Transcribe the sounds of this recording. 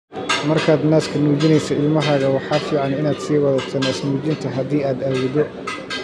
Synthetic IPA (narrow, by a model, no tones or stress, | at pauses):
mɐrkʰaːd̪naːskʰɐnuːd͡ʒɪnɛjsɐɪlmɐɦaːɣɐwɑħɑːfiːʕɑnɪnaːd̪siːwɐðɐt̪ʰɐnaːsnuːd͡ʒɪnt̪ʰɐɦɐðiːaːd̪aːwɔðɔ